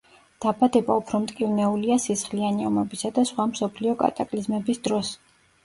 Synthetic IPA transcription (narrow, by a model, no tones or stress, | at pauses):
d̪̥abad̪ɛbaupʰɾɔmt̪ʼkʼivnɛuliasisχlianɛɔmɛbisad̪asχwamsɔpʰliɔkʼa̰t̪ʼakʼlizmɛbisd̪ɾɔs